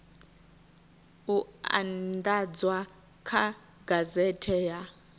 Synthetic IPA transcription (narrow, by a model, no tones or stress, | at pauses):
ua̰ndad͡zwa | kʰa | ɡazɛtʰɛja